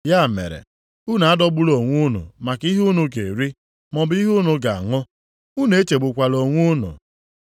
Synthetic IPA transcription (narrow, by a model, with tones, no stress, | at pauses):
ja˦˨mḛ˨ɾḛ˨ | u˦na˨a˦dɔ˦bʊ˦lo˨ŋʷʊ˦nʊ̰˨ma˨ki˦ɦu˦nʊ˨ɡḛ˨ɾi˦ | mɔ˨bi˦ɦʊ˦nʊ˨ɡa˨a̰˨ŋʊ˦ | u˦ne˨e˦t͡ʃe˨ɡ͡bʊ˨kʷa˨lo˨ŋʷʊ˦nʊ̰˨